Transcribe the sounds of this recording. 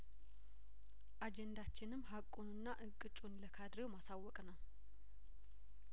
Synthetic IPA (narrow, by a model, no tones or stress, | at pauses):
ʔad͡ʒɛnd̪at͡ʃːɪnɨmːɦakʼunɨnːaʔɨkʼːɨt͡ʃʼunləkʰad̪ɾewmasawːɔkʼnəw